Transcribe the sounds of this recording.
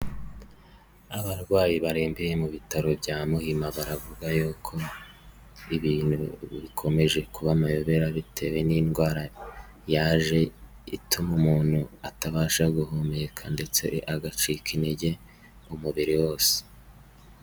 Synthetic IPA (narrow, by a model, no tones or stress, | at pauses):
aβaɾɡwaːjiβaɾeːmbijemuβitaɾo̞bɟaːmuhimaβaɾavuɡajokʰo̞ | iβiːn̥huβikʰo̞me̞ʒe̞kuβamajoβe̞ɾaβitʰe̞we̞ninɡwaːɾa | jaːʒe̞ | itʰumumuːn̥huataβaːʃaɡuhomekʰande̞t͡sḛʔaɡat͡ʃikʰineɟe̞ | umuβiɾiwo̞ːse̥